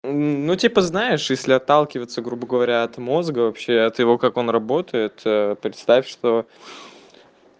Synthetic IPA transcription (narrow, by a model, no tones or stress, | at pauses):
nutʲipəznaɪʂjesʲlʲɪɐt̪ːalˠkʲɪvət̪səɡɾubəɡəvɐɾʲaɐt̪mo̞zɡəvɐpɕːeɐt̪jɪvo̞kako̞nrɐbo̞t̪əjɪt̪əpɾʲɪt̪st̪afʲʂt̪o̞